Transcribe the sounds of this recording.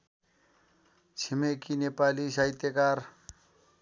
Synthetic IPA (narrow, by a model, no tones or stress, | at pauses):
t͡sʰimekinepalis̬aɦit̪jekaɾ